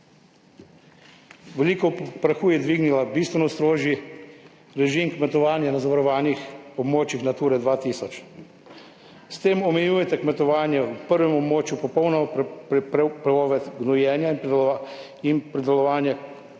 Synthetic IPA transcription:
ʋɛliːkɔpɾaxuːjɛd̪ʋiːɡnilabist̪ʋɛnɔst̪ɾoːʒji | ɾɛʒimkmɛt̪ɔʋaːnjanazaʋaɾɔʋaːnixɔbmoːt͡ʃixnat̪uːɾɛd̪ʋaːt̪iːsɔt͡ʃ | st̪eːmɔmɛjuːjɛt̪ɛkmɛt̪ɔʋaːnjɛwpəɾʋɛmɔbmoːt͡ʃjupɔpɔwnɛ | pɾɛɔːʋɛt̪ɡnɔjɛːnjain | inpɾid̪ɛlɔʋaːnja

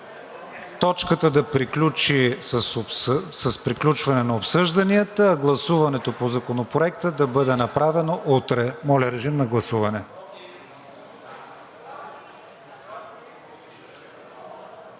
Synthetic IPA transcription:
t̪ɔt͡ʃkət̪əd̪ɐpɾiklʲut͡ʃi | səspɾiklʲut͡ʃvɐnɛnɐopsɤʒd̪ɐniət̪əːɡlˠɐsuvɐnɛt̪opozɐkonopɾoɛkt̪əd̪ɐbɤd̪ɛnɐpɾavɛnoʔut̪ɾɛmɔlʲɐɾɛʒimnɐɡlˠɐsuvɐnɛ

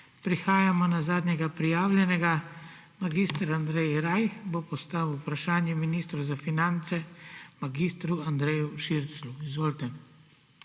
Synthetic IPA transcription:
pɾixaːjamɔnazaːd̪nɛɡapɾijaːwlʲjɛnɛɡa | maɡist̪əɾand̪ɾɛjɾajxbopɔst̪aːwupɾaʃaːnjɛminist̪ɾowzafinant̪sɛmaɡiːst̪ɾuand̪ɾɛːjuʃiɾt̪sluizʋoːlt̪ɛ

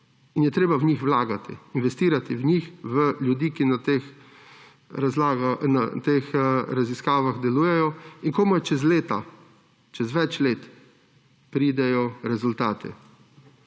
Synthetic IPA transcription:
injɛt̪ɾeːbawɲixwlaːɡat̪ḭinʋɛst̪iːɾat̪iwɲixʋəljud̪iːkinat̪ex | ɾazlaɡanat̪eːxɾaziskaːʋaɣd̪ɛluːjɛjɔiŋkoːmojt͡ʃɛzleːt̪a̰ | t͡ʃɛzʋɛt͡ʃleːt̪ | pɾiːd̪ɛjɔɾɛzʊlt̪aːt̪ʰɛ̰

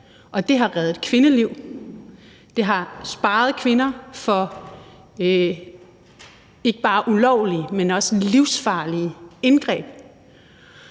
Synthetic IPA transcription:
ʔɒ̽d̥e̝ɦɑ̈ʁaːð̩ˠkʰʋe̝nəliʊ̰ | d̥e̝ɦɑ̈sb̥ɑ̈ːð̞̩ˠkʰʋe̝nɐfɒ̽ | e̝ɡ̥əb̥ɑ̈ːʔulɒʊ̰liəmenɒ̽səliʊsfɑ̈ːliəenɡ̥ʁɛ̰ːb̥

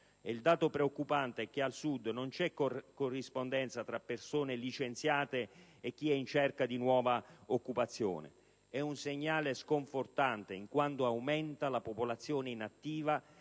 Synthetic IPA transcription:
eild̪aːt̪opɾeokːupant̪eɛk̟ːealsud̪ːnont͡ʃɛkkːorːispond̪ɛnt̪sat̪ɾapːersoːnelit͡ʃent̪sjaːt̪eːkːiɛint͡ʃɛrkad̪inwɔːvaokːupat̪sːjo̰ːnḛ | ɛunseɲːaːleskoɱfort̪ant̪eiŋkwant̪oawmɛnt̪alapopolat̪sːjoːneinat̪ːiːva

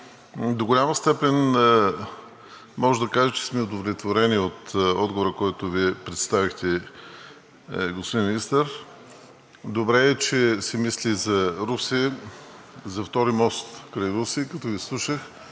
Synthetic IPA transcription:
d̪oɡolʲamɐst̪ɛpɛn | mɔʒd̪ɐkaʒət͡ʃɛ̥smɛod̪ovlʲɛt̪voɾɛniot̪ɔd̪ɡovoɾəkɔjt̪ʊviɛpɾɛt̪st̪avixt̪ɛ | ɡospod̪inmʲinist̪əɾ | d̪obɾɛːt͡ʃɛsɛmislizɐɾusi | zɐft̪ɔɾimɔst̪kɾajɾusikɐt̪ɔɡislˠuʃəx

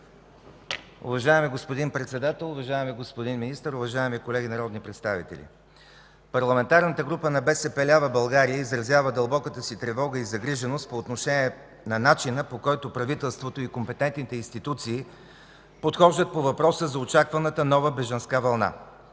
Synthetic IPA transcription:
ʊ̰vɐʒaɛmiɡospod̪inpɾɛt̪sɛd̪at̪ɛlˠʊvɐʒaɛmiɡospod̪inminist̪əɾʊvɐʒaɛmikolɛɡʲinɐɾɔd̪nipɾɛt̪st̪avḭt̪ɛ̰lʲḭ | pɐɾlˠɐmɛnt̪aɾnət̪əɡɾupənɐbɛsɛpɛlʲavəbɐlˠɡaɾijəizɾɐzjavəd̪ɐlˠbɔkət̪əsit̪ɾɛvɔɡəizɐɡɾiʒɛnost̪̚poːt̪noʃɛniɛ | nɐnat͡ʃinəpokɔjt̪opɾɐvit̪ɛlˠst̪vot̪oikompɛt̪ɛnt̪nit̪ɛinst̪it̪ut̪siː | pot̪xɔʒd̪ət̪̚povɐpɾɔsəzɐot͡ʃakvɐnət̪ənɔvəbɛʒɐnskavɐlˠna̰

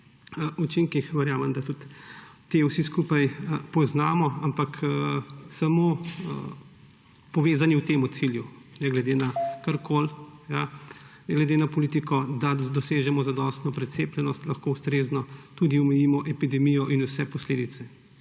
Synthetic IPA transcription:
ut͡ʃiŋkixʋɛɾjaːmɐmd̪at̪ut̪ː | ewsiskuːpajəpɔznaːmɔampak | samoː | pɔʋeːzaniwt̪eːmut̪silju | nɛɡlɛd̪enakaɾkʰolja | ɡlɛd̪enapɔlit̪ikɔd̪ad̪ɔseːʒɛmɔzad̪ɔːst̪nɔpɾɛt̪seːplɛnɔst̪lɐxkowst̪ɾeːznɔt̪ud̪iɔmɛjimɔʔɛpid̪ɛmijɔʔinusɛpɔsleːd̪it̪sɛ

